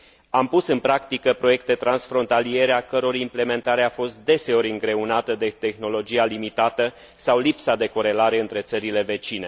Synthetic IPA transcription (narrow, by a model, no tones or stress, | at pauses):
ampusɨnpɾakt̪ikəpɾo̞je̞k̚t̪et̪ɾansfɾo̞nt̪alie̞ɾeakəɾo̞ɾimple̞me̞nt̪aɾeafo̞st̪̚d̪e̞se̞o̞ɾʲɨŋɡɾe̞unat̪əd̪e̞t̪e̞xno̞lo̞d͡ʒialimit̪at̪ə | sawlipsad̪e̞ko̞ɾe̞laɾe̞ɨnt̪ɾe̞t̪səɾile̞ve̞t͡ʃine̞